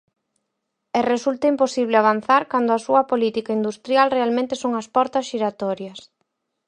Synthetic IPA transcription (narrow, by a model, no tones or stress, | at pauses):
ɛresult̪ɐimposiβ̞lɪaβan̟θaɾkand̪ʊɐsuɐpolit̪ikaind̪ust̪ɾjalrealmẽnt̪esoŋɐspɔɾt̪ɐsʃiɾat̪ɔɾjɐs